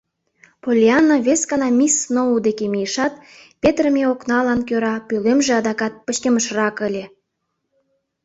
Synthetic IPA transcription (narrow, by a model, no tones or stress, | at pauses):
polʲiɑnoβʲeskɑnɑmʲisnoud̪ekemijəʃɑt̪̚pʲet̪rəmʲeoknɑlɑnkøɾɑpylemʒĕɑd̪ɑkɑt̪̚pət͡ɕk̪ʲeməʃrɑkə̆lʲe